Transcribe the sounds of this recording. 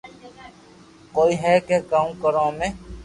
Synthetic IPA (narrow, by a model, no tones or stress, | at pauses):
koːiːɦɛːkeɡaːũkəɾõːmẽ